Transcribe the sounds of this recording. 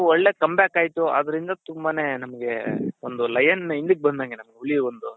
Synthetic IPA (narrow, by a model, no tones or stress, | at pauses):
ɔɭːe̞ːkɐmbjaːkaːjit̪uɐ̰d̪ɐɾind̪ɐt̪umbaːne̞ːnɐmɐɡe̞ond̪ulɐjɐnind̪ik̚ːbɐnd̪aːŋɡenɐmɐɡeuɭiond̪u